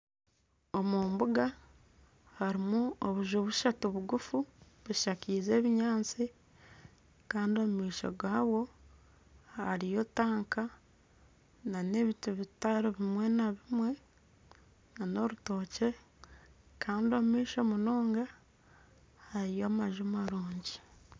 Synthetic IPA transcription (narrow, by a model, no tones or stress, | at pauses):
omuːmbuɡa | haɾimuoβuʒoβuʃatuβuɡufu | βuʃakiːze̞ːβiɲaːnt͡si | kaːndio̞mumiːʃo̞̰ɡaːwo̞ | ha̰ɾijo̞taːŋka | nane̞ːβituβitaɾoβimwe̞naβimwe̞ | nano̞ɾuto̞ːce̞ | kʰaːndio̞mumiːʃo̞muno̞ːŋɡa | haɾijomaʒumaɾuːɲɟi